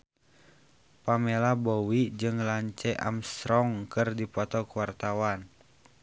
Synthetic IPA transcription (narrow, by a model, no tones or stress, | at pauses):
pamɛlabɔwid͡ʒɨŋlaɲt͡ʃɛʔa̰mst̪ɾɔŋkɨrdipɔt̪ɔkuwart̪awan